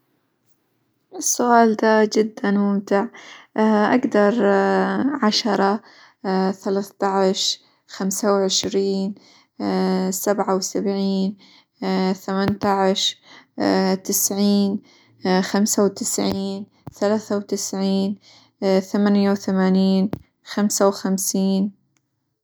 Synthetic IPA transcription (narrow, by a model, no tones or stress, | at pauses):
ʔɪsːʊʔaːld̪aːd͡ʒɪd̪ːanmʊmt̪ɪʕ | ʔa̰ɡd̪ɑɾˤ | ʕaʃɑɾˤɑ | θalaːθt̪ɑʕɪʃ | xamsawʕɪʃɾiːn | sabʕawsabʕiːn | θamant̪ɑʕɪʃ | t̪ɪsʕiːn | xamsawt̪ɪsʕiːn | θalaːθawt̪ɪsʕiːn | θamanjawθamaːniːn | xamsawxamsiːn